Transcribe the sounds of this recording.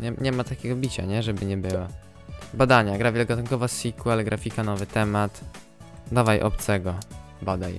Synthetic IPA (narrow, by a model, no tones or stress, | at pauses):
ɲɛɲɛmat̪akʲɛɡɔbʲit͡ɕa̰ɲɛʐɛbɘɲɛbɘwa | bad̪aɲaɡɾavʲɛlɡat̪uŋkɔvasʲikwɛlɡɾafʲikanɔvɘt̪ɛmat̪ | d̪avajʔɔ̰p̚t̪sɛɡɔ | bad̪aj